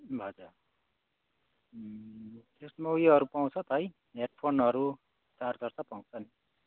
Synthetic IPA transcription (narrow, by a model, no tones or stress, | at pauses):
bʌd͡zʌ | t̪esmojɦʌɾupaw̃t͡sʰʌt̪ʌj | neʈ̚pʰonʌɾu | t͡sard͡zʌrt͡sʌpaw̃t͡sʰʌni